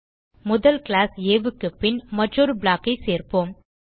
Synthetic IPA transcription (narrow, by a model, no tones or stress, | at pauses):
mʊðɐlklaːseːʋɯkːɯpːɪnmɐʈrɔɾɯbɭaːkːɐɪseːɾpoːm